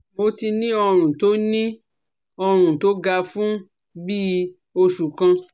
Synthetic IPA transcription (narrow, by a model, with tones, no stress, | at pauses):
mo˧˦ti˧nĩ˦ɔ˧ɾ̃ũ˨to˦nĩ˦ | ɔ˧ɾ̃ũ˨to˦ɡa˧fũ˦ | bi˦ | o˧ʃu˨kã˧